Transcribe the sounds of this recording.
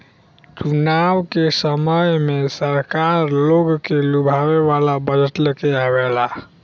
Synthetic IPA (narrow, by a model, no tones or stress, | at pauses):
t͡ʃunawkesəməjmesəɾkaɾloɡkelubʱaweβalabəd͡ʒət̪lekeabela